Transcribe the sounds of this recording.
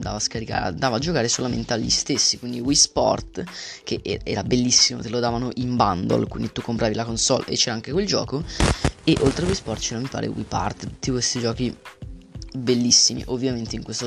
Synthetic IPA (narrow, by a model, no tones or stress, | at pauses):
nd̪a̰ːvaskaɾika̰ːɾ̰a̰nd̪aːvad͡ʒokaːɾesolamḛnt̪eaʎːḭst̪esːikwind̪iwispɔ̰rt̪keʔɛːaɛːɾabelːisːimo̰t̪elod̪aːvanoʔimband̪o̰lkwḭnd̪it̪ukːompɾʔaːvilakonsɔ̰lʔḛt͡ʃːɛːɾaaŋkekweld͡ʒɔ̰ːkoeʔolt̪ɾewispɔrt̪t͡ʃenomːipa̰ːɾʔḛwḭpa̰rt̪ut̪ːipest̪id͡ʒɔːk̟i | belːisːimḭʔovːjament̪eiŋkwest̪o